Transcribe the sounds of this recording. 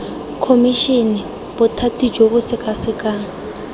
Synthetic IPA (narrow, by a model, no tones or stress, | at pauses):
kʰomiʃenɪ | bʊtʰatʼid͡ʒwobʊsɪkʼasɪkʼaːŋ̩